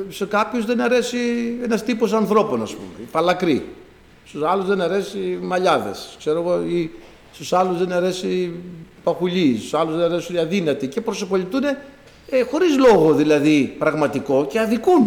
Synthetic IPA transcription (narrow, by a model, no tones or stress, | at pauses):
sekɐpçozðe̞nɐɾe̞sienɐst̪ipo̞sɐnθɾo̞po̞nɐspṵmḛpɐlɐkɾḭ | st̪usɐluzðenɐɾe̞simɐʎɐðe̞̰skse̞ɾo̞ɣoi | st̪usɐluzðenɐɾe̞sipɐxuʎist̪usɐluzðenɐɾesunɐðinɐt̪ice̞pɾo̞sopoʎit̪une̞ | exo̞ɾizlo̞ɣo̞ðilɐðipɾɐɣmɐt̪iko̞ceɐðikun